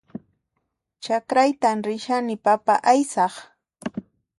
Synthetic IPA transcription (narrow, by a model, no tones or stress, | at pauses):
t͡ʃakɾajt̪amɾɪʃanɪpapaʔajsɑχ